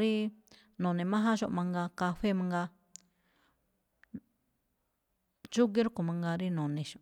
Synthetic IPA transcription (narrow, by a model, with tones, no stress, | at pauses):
ɾi˦ | nõ˨nĩ˨mã˦ɦã˦ʃo̰˧ʔmã˧ŋɡa˧ka˧ɸe˦mã˧ŋɡa˧ | t͡ʃu˦ɡi˦ɾu˦ko˧˨mã˧ŋɡa˧ɾi˦nõ˨nĩ˧ʃo˧